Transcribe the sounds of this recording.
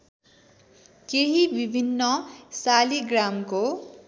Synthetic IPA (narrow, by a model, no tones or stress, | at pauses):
keɦibibʱinːʌsaliɡramko